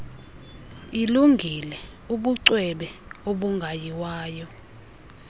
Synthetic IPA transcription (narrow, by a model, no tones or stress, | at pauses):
iluŋɡʱilɛ | uɓuǀwɛɓɛoɓuŋɡʱajiwaːjɔ